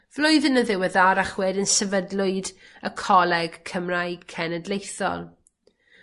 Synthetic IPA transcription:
v̥lʊɨðənəðɪwɛðaɾaχwɛdənsəvədlʊɨd | əkʰɔlˠɛɡ̥kʰəmrajkʰɛnədlejθɔ̰lˠ

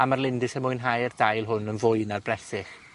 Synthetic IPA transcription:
amarlˠɪndɪsəmʊɨnɦajərdajlˠɦʊnənvʊɨnarbrɛsɪχ

